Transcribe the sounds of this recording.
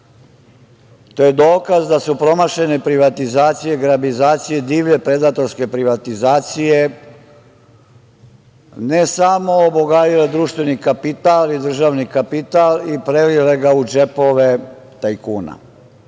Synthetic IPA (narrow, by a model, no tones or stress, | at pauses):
t̪o̞jed̪o̞ːkazd̪asupɾo̞maʃe̞ne̞pɾiʋat̪izaːt̪sije̞ɡɾabizaːt̪sije̞d̪iːʋʎe̞pɾe̞d̪aːt̪o̞ɾske̞pɾiʋat̪izaːt̪sije̞ | nesamo̞ːboɡaːjiled̪ɾuːʃt̪ʋe̞nikapit̪alid̪r̩ʒaːʋnikapit̪alipɾelile̞ɡaud͡ʒe̞po̞ʋe̞ | t̪ajkuːna̰